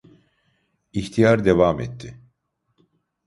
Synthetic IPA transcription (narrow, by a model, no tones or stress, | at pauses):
içt̪ʰijaɾd̪evamɛ̰t̪ʰːɪ